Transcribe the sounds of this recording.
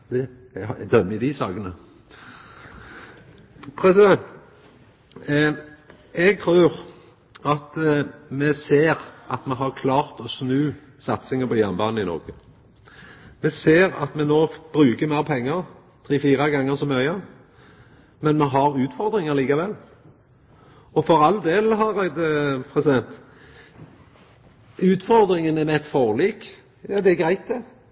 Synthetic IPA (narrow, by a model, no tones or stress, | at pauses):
d̪̥ɛ | d̪œmːɪd̪isɑːkənə | pʰɾɛsɪd̪ɛn | ɛɡ̚t̪ʰɾʉːʁ | ɑt̪mɛseːʁɑt̪mɛɦɑʁkʰlɑːʁt̪ɔsnʉː | sɑt̪sɪŋəpʰɔjæʁnbɑːnɪnɔ̰ʁɡə | mɛseːɾɑ̰t̪mɛnoːb̥ɾʉːkəmæɪʁpʰɛŋːəɾ | t̪ʰʁiːfiːɾɑɡɑŋːəsɔmːœʏə | mɛnmɛɦɑɾʉːt̪fɔɾd̪ɾɪŋəɾliːkɑʋɛlː | ɔfɔɾɑld̪eːlɦɑɾæɪd̪əpʰɾɛsɪd̪ɛnt̪ | ʉːt̪fɔɾd̪ɾɪŋənɛnɛt̪fɔʁliːk | jɑd̪ɛɡɾæɪt̪̚d̪ɛ